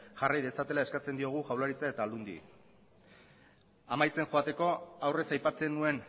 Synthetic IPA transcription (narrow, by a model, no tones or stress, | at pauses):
ʝarajðe̞sat̪e̞lae̞skat͡se̞nd̪io̞ɣ̞uʝawlaɾit͡sae̞t̪aːld̪und̪ḭ | amajt͡se̞ŋʝo̞at̪e̞ko̞awre̞sajpat͡se̞nue̞n